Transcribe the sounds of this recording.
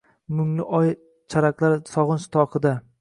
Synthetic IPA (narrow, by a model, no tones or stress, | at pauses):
mʊŋlɪʔɒj | t͡ʃʰaɾaklˠaɾsɒʁɨnʃt̪ʰɒqʰɨd̪a